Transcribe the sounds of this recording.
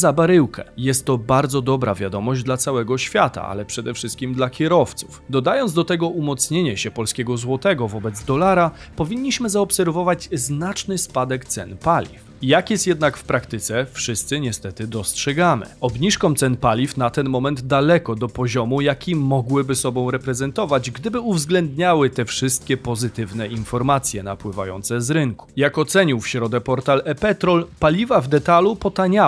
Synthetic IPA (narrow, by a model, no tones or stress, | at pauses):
zabaɾɘwkɛ̰jɛst̪ːɔbaɾd̪zɔd̪ɔbɾa̰vʲjad̪ɔmɔʑd͡ʑd̪lat̪sawɛɡɔɕfʲjat̪a̰a̰lɛpʂɛd̪ɛfʂɘst̪̚kʲimd̪lakʲɛɾɔft̪su̥fd̪ɔd̪ajɔnzd̪ɔt̪ɛɡɔʔumɔt̪sɲeɲɛɕɛpɔlskʲɛɡɔzwɔt̪ɛɡɔvɔbɛd̪zd̪ɔlaɾapɔvʲiɲːiɕmɘzaɔpsɛɾvɔvad͡ʑznat͡ʂnɘspad̪ɛkt̪sɛ̰npalʲḭf | jakjɛst̪jɛd̪nakfpɾakt̪ɘt̪sɛfʂɘst̪sɘɲɛst̪ɛt̪ɘd̪ɔstʂɛɡamɘ̰ɔbɲiʂkɔmt̪sɛnpalʲifnat̪ɛnmɔmɛnd̪d̪alɛkɔd̪ɔpɔʑɔmujakʲʰimɔɡwɘbɘsɔbɔ̃w̃ɾɛpɾɛzɛnt̪ɔvad͡ʑɡd̪ɘbɘuvzɡlɛnd̪ɲawɘt̪ɛfʂɘst̪̚kʲɛpɔzɘt̪ɘvnɛinfɔɾmat̪sʲjɛnapwɘva̰jɔ̰nt̪sɛzɾɘŋku̥jakɔt̪sɛɲiwfɕɾɔd̪ɛpɔɾt̪alɛpɛt̪ɾɔlpalʲivavd̪ɛt̪alupɔt̪aɲa